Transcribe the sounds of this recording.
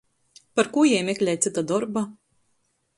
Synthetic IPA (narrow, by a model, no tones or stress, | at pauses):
paɾkuːjɛjmʲɛkʲlʲɛjt̪sit̪ad̪ɔɾba